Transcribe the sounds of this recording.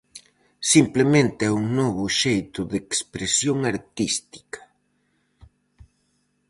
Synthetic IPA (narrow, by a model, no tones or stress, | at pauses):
simplemẽnt̪ɪɛuŋnɔβʊʃejt̪ʊðekspɾesjoŋaɾt̪ist̪i̥kɐ̥